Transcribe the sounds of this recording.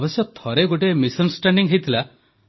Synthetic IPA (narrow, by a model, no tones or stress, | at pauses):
bɔsjɔt̪ʰɔɾeɡoʈ̬emisɔnsʈaɳɖiŋɦejt̪ʰila